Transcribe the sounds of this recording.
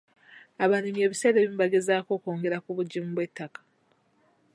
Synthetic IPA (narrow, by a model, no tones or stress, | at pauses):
aβanimje̞ːβiseɾeβimbaɡezaːko̞ːkoːŋɡe̞ɾakuβuɟːimuβwe̞tːakḁ